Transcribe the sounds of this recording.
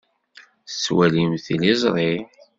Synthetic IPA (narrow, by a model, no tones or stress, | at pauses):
θswælimθilizˤɾˤi